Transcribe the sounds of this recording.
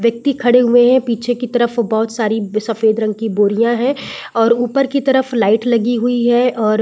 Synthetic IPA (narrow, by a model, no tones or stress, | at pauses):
ʋjɐk̚t̪ikʰɐɽeɦʊeɦɛ̃piːt͡ʃʰekit̪ɐɾəfbɔɦʊt̪saːɾisɐfeːd̪ɾɐ̃ŋɡ̚kiboːɾijãɦɛ̃ɔːɾuːpəɾkit̪ɐɾəflaːɪʈlɐɡiɦʊiɦɛʔɔːɾ